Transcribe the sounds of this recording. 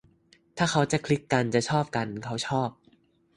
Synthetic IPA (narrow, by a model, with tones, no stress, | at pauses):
t̪ʰaː˥˩kʰa˦˥wt͡ɕa˨˩kʰli˦˥kːa˧nt͡ɕa˨˩t͡ɕʰɔː˥˩p̚ka˧nkʰa˦˥wt͡ɕʰɔː˥˩p̚